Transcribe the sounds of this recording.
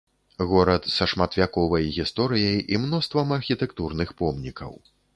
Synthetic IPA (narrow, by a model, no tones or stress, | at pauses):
ɣɔɾɐt̪sɐʂmat̪vʲakɔvɐjɣʲist̪ɔɾɨjɐjimnɔst̪vɐmɐrxʲit̪ɛkt̪urnɨxpɔmnʲikʰɐ̰w